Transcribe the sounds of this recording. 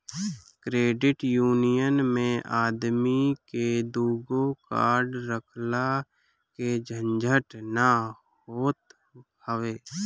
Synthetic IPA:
kɾeːɖɪʈjuːnijənmẽaːd̪miked̪uːɡoka̰ːɾɖɾəkʰla | ked͡ʒʱə̃nd͡ʒʱəʈna | ɦhoːt̪ | əʋeː

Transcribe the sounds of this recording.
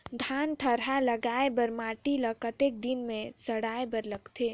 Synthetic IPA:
d̪ʱaːnʈʰəɾaləɡaebəɾmaːʈiləkət̪ek̚d̪inmẽsəɽaːebəɾləɡt̪ʰeː

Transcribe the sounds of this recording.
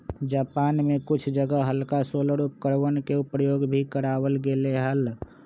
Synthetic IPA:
d͡ʒapanmekut͡ʃʰd͡ʒəɡəɦəlkasolɾup̚kəɾʋənkeupɾəjoɡbʱikəɾaʋəlɡeleɦəl

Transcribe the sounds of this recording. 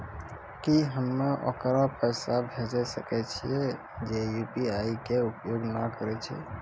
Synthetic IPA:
kiɦəmːeʔo̰kɾãpəsabʱed͡ʒɛsəkɛt͡ʃʰie | d͡ʒejupiaikeupjoɡnakəɾɛt͡ʃʰɛ̰

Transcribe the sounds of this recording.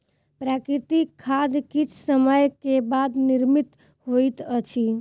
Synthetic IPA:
pɾakɾit̪ikʰːad̪kit͡ʃʰsəməjkebad̪niɾmit̪ | hojt̪ət͡ʃʰi

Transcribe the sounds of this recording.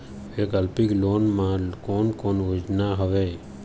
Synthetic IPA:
eːkəlpɪkloːnmãkoːnkoːnuːd͡ʒnaːɦəʋeː

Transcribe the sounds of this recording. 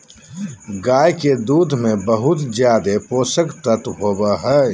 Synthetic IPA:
ɡaːjked̪uːd̪ʱmẽbəɦʊt̪zjaːd̪epoːsəkt̪ət̪ɦoːbaɦɛː

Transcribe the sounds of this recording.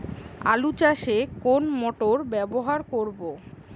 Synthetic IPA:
a̰lut͡ɕaʃekonmɔʈoɾbɛboɦaɾkoɾbo

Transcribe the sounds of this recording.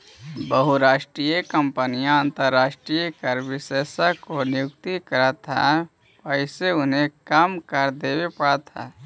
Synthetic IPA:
bəɦuɾaːʃʈɾijəkəmpənijãə̃nt̪əɾːaːʃʈɾijəkəɾʋɪseːsakonɪjʊkt̪ikəɾət̪ʰa̰ | pəɪseʊnɦẽkaːmkəɾd̪eːwepəɽat̪ʰa̰ː

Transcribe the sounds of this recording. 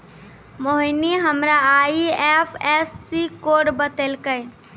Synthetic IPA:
moɦiniɦəmɾaaiɛpʰɛsːikoɖbət̪elkəj

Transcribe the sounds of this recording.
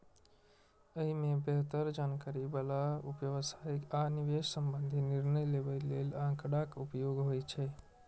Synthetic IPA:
əɦimẽbeɦt̪əɾd͡ʒankaɾibalaupjəʋsaikaniʋeʃsəmbənd̪ʱiniɾnəjlebəlelãkɽakupjoɡɦojt͡ʃʰɛ

